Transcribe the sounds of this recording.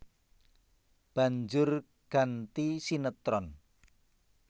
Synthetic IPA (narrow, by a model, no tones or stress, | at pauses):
b̥a̤ɲd͡ʒʊr | ɡ̥a̤nt̪isinət̪ɾɔn